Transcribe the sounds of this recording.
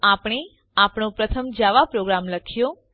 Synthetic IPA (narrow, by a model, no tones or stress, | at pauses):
apɽ̃e | apɳopɾət̪ʰəmd͡ʒaʋapɾoɡɾamləkʰjo